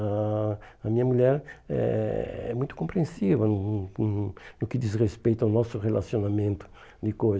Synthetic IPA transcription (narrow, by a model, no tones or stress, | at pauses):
a | ɐmĩɲɐmuʎɛɾɛ̰ɛ̰mũj̃t̪ʊ̥kõmpɾẽsivɐnʊ | nʊkɪd̪izrespejt̪ɐʊnɔsʊʁelasjonamẽnt̪ʊ̥ | d̪ɪkoj